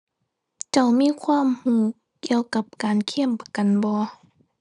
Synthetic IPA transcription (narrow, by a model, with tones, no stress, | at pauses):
t͡ɕa˧˩wmiː˧˥˨kʰwaː˧˥˨mhuː˧˩ | ki˧˩əwka˧˦p̚kaː˨nkʰi˧˥˨ə˨mpa˧˩ka˨nbɔː˧˦